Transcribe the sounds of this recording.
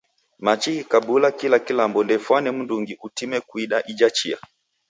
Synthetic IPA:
mat͡ʃikikabulakilakilambɔndɛfwanɛm̩nduŋɡiʔutimɛkwiɗaʔid͡ʒat͡ʃia̰

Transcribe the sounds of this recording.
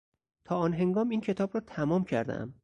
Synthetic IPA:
t̪ʰɒːɒːnɦe̞ŋɡɒːmiːncʰe̞t̪ʰɒːbrɒːt̪ʰæmɒːmcʰæ̰ɾd̪æ̰æ̰m

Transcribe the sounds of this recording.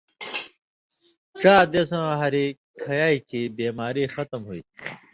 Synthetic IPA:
ʈ͡ʂaːd̪eːsɐ̃ɦɐɾi | kʰɐjaːikibeːmaːɾiːxɐt̪ɐmɦuḭ

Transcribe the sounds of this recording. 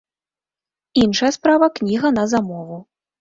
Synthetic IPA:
inʂɐjɐspɾavɐknʲiɣɐnɐzamɔvu

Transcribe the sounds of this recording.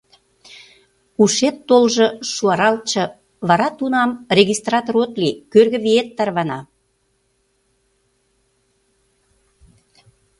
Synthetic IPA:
uʃet̪ːolʒɤʃuɑɾɑlt̪̚t͡ɕɤ̆ | βɑɾɑt̪unɑmrʲeɣist̪rɑt̪oɾot̪likørɣə̆βiet̪ːɑrβɑnɑ

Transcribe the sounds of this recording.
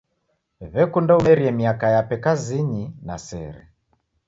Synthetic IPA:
βɛkundaumɛɾiɛmiakajapɛkaziɲina̰sɛ̰ɾɛ̰

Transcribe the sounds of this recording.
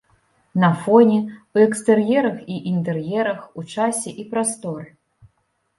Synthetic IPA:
nɐfɔnʲɛuɛkst̪ɛrjɛɾɐxiʔint̪ɛrjɛɾɐxut͡ʂasʲɛʔipɾast̪ɔɾɨ

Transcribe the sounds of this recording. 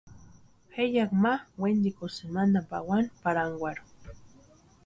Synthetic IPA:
hejakmawend̪ikosemand̪ampa̰wanpaɾaŋɡwaɾʊ

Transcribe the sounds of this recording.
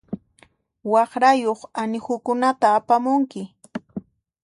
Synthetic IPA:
wɑχɾajoχanɪhʊkʊnat̪aːpamʊŋkɪ

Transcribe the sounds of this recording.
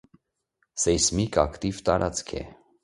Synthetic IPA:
sɛjsmikɑkt̪ivt̪ɑɾʔɑt͡skʰɛ̰

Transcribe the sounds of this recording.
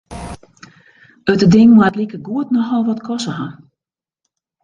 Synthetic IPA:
ətədɪŋmatlikəɡuətnɔxɔlˠʋɔtkʰɔsəɦa

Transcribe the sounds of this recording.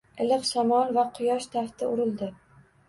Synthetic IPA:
ɪlɨqsamɒnvaqʰɨjɒʃt̪ʰaft̪ɪʊɾɪld̪ɪ

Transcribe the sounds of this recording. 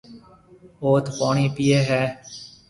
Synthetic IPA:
oːt̪ʰpaːɳiːpiːeːɦɛː

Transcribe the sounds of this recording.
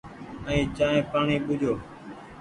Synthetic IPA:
əĩːt͡ʃaːɦẽːpaːɳiːɓʊd͡ʒʱoː

